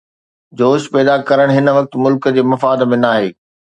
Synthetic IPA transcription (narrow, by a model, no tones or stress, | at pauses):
d͡ʑoːʃpɛːd̪akɐɾəɽ̃ɦɪn̆ʋɐk̚t̪mʊlkd͡ʑeːmɐfaːd̪mẽnaːɦeː